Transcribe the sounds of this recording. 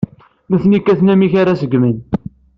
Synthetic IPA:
məθnikːæθnæmiçaɾasəɡmən

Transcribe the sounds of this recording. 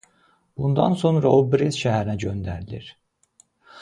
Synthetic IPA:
b̥und̪ɑ̰nso̞nɾaolbɾizʃæɦæɾinæɟø̞nd̪æɾilʲḭɾ̥

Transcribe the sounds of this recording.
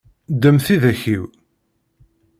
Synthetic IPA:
d̪əmθiðæçiw

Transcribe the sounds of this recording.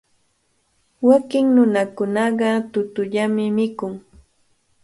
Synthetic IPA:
wakɪŋnʊnakʊnɑɢɑt̪ʊt̪ʊʎamɪmɪkʊŋ

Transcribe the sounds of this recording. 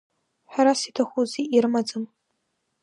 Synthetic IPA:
ħʷᶣaɾasitʰaχʷuziiɾɨmad͡zɨm

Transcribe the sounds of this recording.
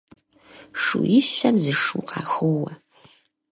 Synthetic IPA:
ʂujɪɕɐmzɨʂuːqɑːxɨwɐ

